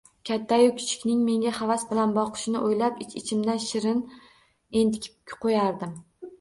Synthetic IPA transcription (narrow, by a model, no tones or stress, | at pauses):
kʲʰat̪ʰːajʊkʲʰɪ̥t͡ʃʰɪ̥kʲnɪŋme̞ŋɡʲahavasbɪlanbɒqʰɨ̥ʃɪnɪʔojlapɪt͡ʃʰɪt͡ʃʰɪmd̪anʃɪɾɪn | end̪ɪkʲʰɪ̥pʲqʰojaɾd̪ɪm